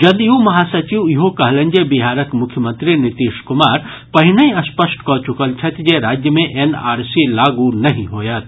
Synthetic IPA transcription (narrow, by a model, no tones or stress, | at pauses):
d͡ʒɐd̪jũmɐɦaːsɐt͡ʃiʋjiɦokɐɦlə̃ɲd͡ʒebiɦaːɾəkmʊkʰjəmə̃nt̪ɾinɪt̪iːʃkʊmaːɾ | pɐɦɪnəĩɐspəsʈkɔt͡ʃukəlt͡ʃʰɐt̪ʰd͡ʒeɾaːd͡ʒjəmẽʔena̰ːɾsilaːɡunɐɦĩɦoːjaːt̪